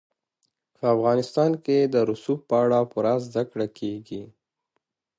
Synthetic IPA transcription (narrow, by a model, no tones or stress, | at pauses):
pəafɣɑnɪst̪ɑnked̪əɾʊsuppəaɽapʊɾazd̪akɽakʰeɡi